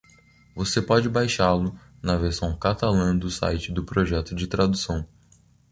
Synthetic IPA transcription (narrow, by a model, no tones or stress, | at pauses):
vosepɔd͡ʒɪbajʃalʊ | nɐveɾsɐ̃w̃kat̪alɐ̃d̪ʊsa̰jt͡ʃɪd̪ʊpɾoʒɛt̪ʊd͡ʒɪt̪ɾad̪usɐ̃w̃